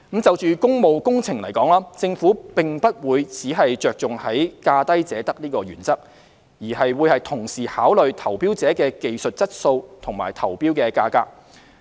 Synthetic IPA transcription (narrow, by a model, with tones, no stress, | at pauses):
t͡sɐ˨wt͡ʃyː˨kʊ˥ŋmo˨wkʊ˥ŋt͡sʰɪ˨˩ŋlɐ˨˩jkɔː˨˥ŋlaː˥t͡sɪ˧ŋfuː˨˥pɪ˨ŋpɐ˥t̚wuː˨˧jt͡siː˨˥ɦɐ˨jt͡ʃœː˨k̚t͡sʊ˨ŋhɐ˨˥jkaː˧t̪ɐ˥jt͡sɛː˨˥t̪ɐ˥k̚liː˥kɔː˧ɥyː˨˩nt͡sɐ˥k̚ | jiː˨˩hɐ˨jwuː˨˧jhɐ˨jt̪ʰʊ˨˩ŋsiː˨˩haː˨˥wlɵ˨ɥt̪ʰɐ˨˩wpiː˥wt͡sɛː˨˥kɛː˧ke˨jsɵ˨t̚t͡sɐ˥t̚so˧wt̪ʰʊ˨˩ŋma̰ː˨˩jt̪ʰɐ˨˩wpiː˥wkɛː˧kaː˧ka̰ː˧˥k̚